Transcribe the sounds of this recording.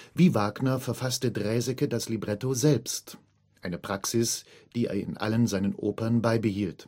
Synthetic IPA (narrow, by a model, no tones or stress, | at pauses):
viːvaːɡnɐfɛɐfastədʁɛːzɛkədaslibʁɛtozɛlpst | ʔaɪnəpʁ̥aksɪsd̥iːḛːɐɪ̰nʔa̰lənzaɪnənʔoːpɐnbaɪbəhiːlt